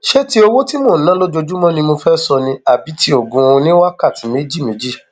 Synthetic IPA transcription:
ʃe˦ti˦o˧wo˦ti˦mo˦˨˦nã˨˦lo˦d͡ʒo˧d͡ʒu˦mɔ̃˦nĩ˧mo˧fɛ˦sɔ˧nĩ˧a˨bi˨˦tʰi˦o˨ɡũ˧õ˧nĩ˦wa˦ka˦˨ti˨˦me˨˦d͡ʒi˦˨mẽ˨˦d͡ʒi˦˨

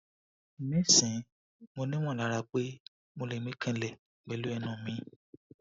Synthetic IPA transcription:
mĩ˦sĩ˨ | mo˧nĩ˦m̃ɔ̃˦˨la˨˦ɾa˧k͡pe˦ | mo˧le˨mĩ˦kʰɛ̃˦˧lɛ˨k͡pɛ˨lu˦ɛ˧nã˦˨mĩ˨˦

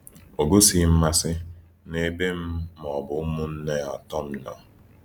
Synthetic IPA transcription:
o˨ɡo˦si˦m̩˦ma˦sɪ˦ | ne˦be˦m̩˦m˨ɔ˨bʊ˨˦mʊ˦n̩˦ne˦ɔ˨tɔ˦m̩˦nɔ̰˨

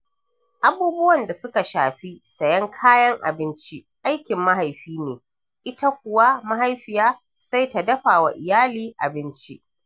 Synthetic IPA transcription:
ʔa˨buː˦bʊ˦wɐ˨nda˨sʊ˦ka˨ʃaː˨ɸi˦sɐ˨jɐ˦ŋkʰaː˦jɐ˦ŋʔa̰˨bɪ˦nt͡ʃi˦ʔa˦jkʲɪ˨mːa˦ɦa˨jɸiː˦neː˨ | ʔɪ˦ta˦kʷʊ˨wa˦ma˦ɦa˦jɸɪ˨jaː˦ | sa˦jta˨dɐ˦ɸaː˨wa̰˨ʔɪ˨jaː˦liː˦ʔa̰˨bɪ˦nt͡ʃi˦ʔ

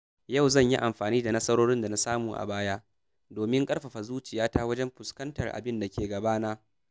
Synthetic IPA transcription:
jɐ˦˨wzɐ˦˨ɲji˦ʔa˨mɸaː˨niː˦da˨nɐ˦sɐ˦ɾoː˦ɽɪ˦nda˨na˦saː˦muː˨ʔa̰˨baː˦jaː˦ʔ | doː˨mɪ˦ŋkʼɐ˦rɸa˨ɸa˨zuː˦t͡ʃɪ˨jaː˦ta˦wɐ˦d͡ʒɛ˦mɸʊ˨skɐ˦ntɐ˨rʔa̰˨bɪ˦nda˨kʲeː˨ɡɐ˨baː˦na˦

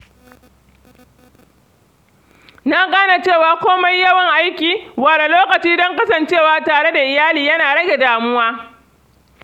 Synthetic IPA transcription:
naː˦ɡaː˦na˨t͡ʃeː˦˨waː˨kʷoː˦ma˦jjːɐ˦wɐ˨ŋʔa˦jkʲiː˨waː˨lo˨loː˦kɐ˨t͡ʃiː˦dɔ˦ŋkɐ˦sɐ˨nt͡ʃeː˦˨waː˨taː˨ɽe˦da˨ʔɪ˨jaː˦liː˨jɐ˦naː˨ɽɐ˦ɡʲe˨daː˨mʊ˦waː˦

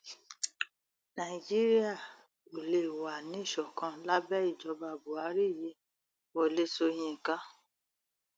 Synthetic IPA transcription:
nã˨i˨d͡ʒi˦ɾi˦a˦˨ | o˨le˨wa˨nĩ˦i˦˨ʃɔ˨kã˧la˦bɛ˦i˦˨d͡ʒɔ˨˧˦ba˧˨bo˨a˨˦ɾi˦˨ji˨˦ | wɔ˨le˧˦so˧j̃ĩ˧˨ka˦

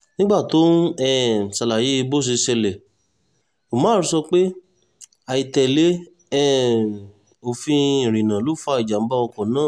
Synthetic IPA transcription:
nĩ˦ɡ͡ba˦˨to˦ɛ˦˨sa˨la˨je˨˦i˧bo˦˨s̬i˧sɛ˧lɛ˨ | o˨mãː˨˦˨ɾu˧˦sɔ˧k͡pe˦ | a˨i˨tɛ˨le˨˦ | ɛ˦ | o˨fĩ˧˨ɾĩ˨nã˨lo˨˦fa˧i˨d͡ʒa˨m̩˦ba˦ɔ˧kɔ˨nãː˦˨

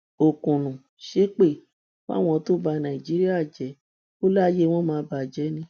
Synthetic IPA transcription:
o˨kũ˨nũ˨ | ʃe˦k͡pe˦˨ | fa̰˦˨w̃ɔ̃˧to˦ba˧nã˨i˨d͡ʒi˨˦ɾi˦a˦˨d͡ʒɛ˨˦ | o˦la˦je˦w̃ɔ̃˦mãː˧˦ba˨d͡ʒɛ˨˦nĩ˧

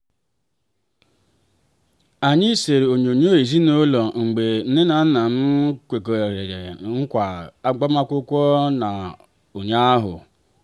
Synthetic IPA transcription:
a˨ɲɪ˦se˨ɾe˨o˨ɲ˨o˨ɲ˦o˦i˨zi˦no˦lɔ˨ŋ͡m̩˨ɡ͡be˨n̩˦ne˦na˨n̩˦na˨m̩˦kʷe˨ko˨ɾe˨ɾe˨ɾḛ˨ŋ̩˦kʷa˨a˦ɡ͡ba˦ma˦kʷʊ˦kʷɔ˦na˨ | o˨ɲa˦a˦ɦʊ̰˨

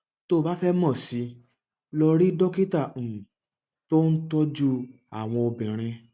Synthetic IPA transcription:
to˦˨ba˨˦fɛ˦mɔ̃˦˨si˧˦ | lɔ˧ɾi˦dɔ˦ki˦ta˦˨ũ˨ | to˦n̩˦tɔ˦d͡ʒu˦ | a̰˨w̃ɔ̃˧o˧bɛ̃˨ɾ̃ɛ̃˧

